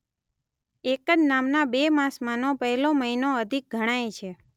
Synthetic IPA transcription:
ekəd͡ʒnamnabemãsmanopəɦɛloməinoəd̪ʱik̚ɡʱəɽ̃ajet͡ʃʰe

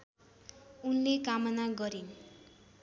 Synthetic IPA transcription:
unlekamʌnaɡʌɾin

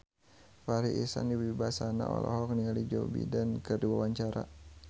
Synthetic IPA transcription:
faɾiʔisa̰niwibasana̰ʔɔ̰lɔɦɔkniŋalid͡ʒɔbḭdankərdiwawaɲt͡ʃaɾa̰

